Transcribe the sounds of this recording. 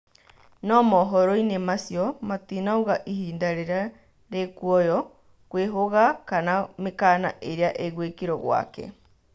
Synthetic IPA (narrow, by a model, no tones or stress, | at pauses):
nɔmɔɦɔɾoinemasjɔmat̪inaoɣaʔihiːndaɾeɾa | ɾekuɔjɔ | kweɦoɣakanamekaːna̰ʔeɾeaʔeɣwekiɾɔɣwa̰kɛ̰